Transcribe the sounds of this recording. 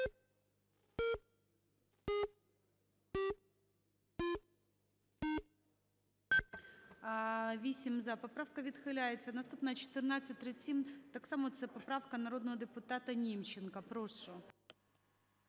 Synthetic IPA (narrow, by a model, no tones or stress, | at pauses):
vʲisʲɪmzɐpɐpɾafkəvʲɪt̪xɨlʲajɪt̪sənɐst̪upnət͡ɕɪ̥t̪ɨrnat̪sɨt̪ʲɾʲɪt͡sʲimt̪aksamʊt̪zəpɐpɾafkənɐɾo̞d̪nəvədʲɪpʊt̪at̪ənʲimt͡ɕːɪnkəpɾoʂʊ